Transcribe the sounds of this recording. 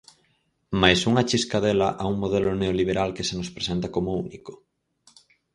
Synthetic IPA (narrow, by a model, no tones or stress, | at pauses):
majsuŋat͡ʃiskaðelaʔauŋmoðeloneoliβ̞eɾalkesenospɾesent̪ɐkomouniko̥